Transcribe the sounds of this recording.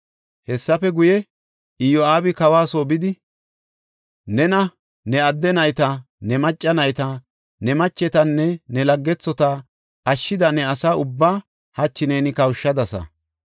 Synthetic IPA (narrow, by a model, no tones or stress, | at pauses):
hɛsːɐfɛɡʊjɛ | ɪjɔaːbɪkɐwaːsoːbɪd̪ɪ | nɛnɐ | nɛɐd̪ːɛnɐjt̪ɐ | nɛmɐt͡ʃʼːɐnɐjt̪ɐ | nɛmɐt͡ʃːɛt̪ɐnːɛnɛlɐɡːɛt͡sːɔt̪a | ɐʃːɪd̪ɐnɛɐsaʊbːaː | hɐt͡ʃːɪnɛnɪkɐwʃːɐd̪ɐsɐ̰